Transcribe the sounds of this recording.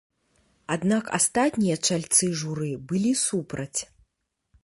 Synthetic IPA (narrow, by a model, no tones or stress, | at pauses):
ad̪naka̰st̪at̪ʲnʲijɐt͡ʂalʲt̪sɨʐuɾɨbɨlʲisupɾɐt͡sʲ